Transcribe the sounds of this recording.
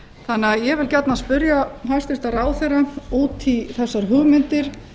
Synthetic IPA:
θanɪajɛvɪlcɛt̪naspʏɾjahast̪ɪst̪aɾaːwθɛrːauːt̪ʰiθɛsːaɾɦʏɣmɪnt̪ɪɾ̥

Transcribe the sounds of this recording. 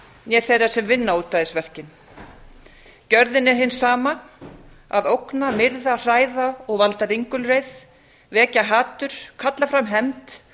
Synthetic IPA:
njɛθejrːasɛmvɪnːauːt̪ːaːðɪsvɛr̥cɪn | cœɾðɪnɛɾɦɪnːsaːma | a̰ðowknamɪɾðar̥aːjðaɔɣvalt̪ariŋkʏlrejð | vɛːcaɦaːt̪ʏɾ̥kʰat̪lafɾamɦɛmt̪

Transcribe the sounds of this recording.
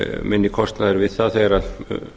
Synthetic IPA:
mɪnːɪkʰɔst̪naðɛɾvɪðθaðθeaɾa

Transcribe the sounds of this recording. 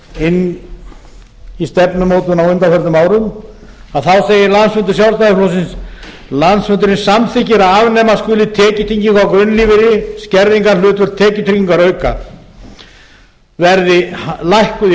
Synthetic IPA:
ɪnː | ist̪ɛpnʏmoːwt̪ʏnawʏnt̪afɛɾt̪ʏmaːwɾʏm | aðθawseːjɪɾlansfʏnt̪̬ʏ̥ɾsjawlst̪aðɪkloːwsɪns | lansfʏnt̪ʏɾɪnsamθʰɪcɪɾaaːvɪnːɛːmaskʏːlɪt̪ʰɛːcɪt̪ʰiɲcɪŋkʰvawkɾʏnːlivɪɾɪscɛɾðiŋkaɾlʏːt̪vʏɾt̪ʰɛːcɪt̪ʰiciŋkaɾœːɥka̰ | vɛɾðɪlajhkʏ

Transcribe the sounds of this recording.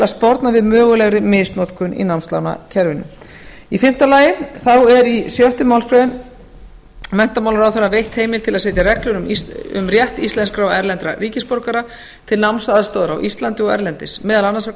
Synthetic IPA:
ɪlaðspɔɾt̪navɪðmœːɣʏlɛɣɾɪmɪsnot̪kʰʏnḭnawmst̪la̰wna̰cʰɛɾvɪnʏ̰m | ifɪm̥t̪alaːjɪθawɛɾisjœht̪ʏmawlskɾœɪn | mɛn̥t̪amawlaɾawθɛɾːavejht̪heːjmɪlt̪ʰɪlaðseːjt̪jaɾɛklʏɾʏmʏ̰mrjɛht̪ist̪lɛnskɾawɛɾlɛnt̪ɾariːcɪspoɾkaɾa | t̪ʰɪlnawmnsaðst̪owðɾa̰wʔist̪lant̪ɪɔɣɛ̰ɾlɛnt̪ɪsmɛːðalanːasa

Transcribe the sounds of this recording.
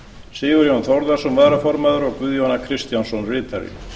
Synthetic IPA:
sɪːɣʏɾjɔnθɔwɾðasɔmvaðɾafɔɾmaðʏɾɔɣkvʏðjɔnakʰɾɪst̪jansɔnrɪːt̪aɾɪ̰

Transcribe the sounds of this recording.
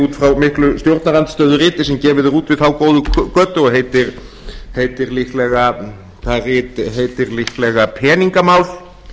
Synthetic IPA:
uːt̪fɾawmɪhklʏst̪jowɾt̪naɾant̪st̪œːðʏɾɪːt̪ɪs̬ɛmcɛːvɪðʏɾuːt̪vɪðθawkoːwðʏkœt̪ːʏɔɦeːjt̪ɪɾ | heːjt̪ɪɾlihklɛɣa | θarɪːt̪ɦeːjt̪ɪɾlihklɛɣapʰɛːniŋkamaːwl̥

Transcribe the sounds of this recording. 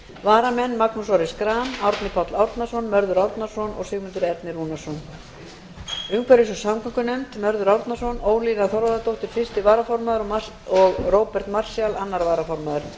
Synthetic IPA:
vaːɾamɛnːmaknusɔɾɪskɾaːnawɾt̪nɪpʰɔt̪lawɾt̪nḁsɔnmœɾðʏɾawɾt̪nasɔnɔ̰ɣsʏɣmʏnt̪ʏɾɛɾt̪nɪɾuːnasɔn | ʏŋkʰvɛɾɪsɔsamkaŋkʏnɛmt̪mœɾðʏɾawɾt̪nḁsɔnoːwliːnaθɔɾvaðat̪owht̪ɪɾ̥fɪr̥st̪ɪvaːɾafɔɾmaðʏɾɔ | ɔɣroːwpɛɾ̥t̪mar̥sjalanːaɾvaːɾafɔɾmaðʏɾ̥

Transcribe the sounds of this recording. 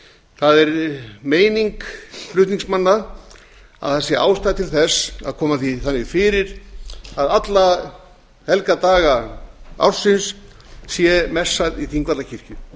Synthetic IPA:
θaðɛɾmeːjniŋkflʏht̪niŋksmanːa | a̰ðθasjɪʔa̰ːwst̪aðt̪ʰɪlθɛsa̰ðkʰɔːmaθiθanːɪfɪːɾɪɾaðat̪la | hɛlkat̪aːɣaa̰wɾ̥sɪnsː | jɛmɛsːaðiθiŋkvat̪lacʰir̥cʏ

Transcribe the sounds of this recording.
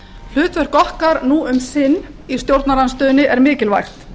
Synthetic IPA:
l̥ʏːt̪vœɾ̥kɔhkaɾnuʔʏmsɪnː | ist̪jowɾt̪naɾanst̪œːnɪʔɛɾmɪːcɪlva̰jxt̪

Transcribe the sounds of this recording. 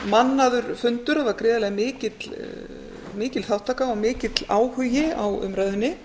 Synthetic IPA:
manːaðʏɾ̥fʏnt̪ʏɾavaɾkɾɪːðalɛɣmɪːcɪt̪l | mɪːcɪlθawht̪ʰaːkaɔmɪːcɪt̪laːwhʏjɪawʏ̰mɾɛðʏnːɪ

